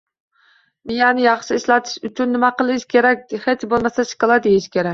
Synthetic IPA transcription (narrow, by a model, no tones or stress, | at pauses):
mijɑnɪjɑχʃiiʃlɑt̪ʰɨ̥ʃyt͡ʃʰynːɪmɛqəlˠɨʃkʲʰeɾɛk̚ʲd̪χet͡ʃbolˠmɛsɛʃi̥kʲɑlˠɑd̪ejiʃkʲʰeɾɛkʲ